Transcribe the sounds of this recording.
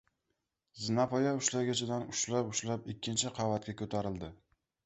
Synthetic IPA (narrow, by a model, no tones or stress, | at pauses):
zɪnapʰɒjaʊʃlaɡʲat͡ʃʰɪd̪anʊʃlapʊʃlapɪkʲʰːɪnt͡ʃʰɪqʰɑvat̪̚kʲakʰɵt̪ʰaɾɪld̪ɪ